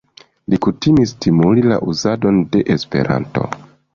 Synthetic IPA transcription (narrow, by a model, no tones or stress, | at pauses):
likutimistʰimulila̰ʔuzado̞nde̞ʔespe̞̰ɾa̰nto̞̰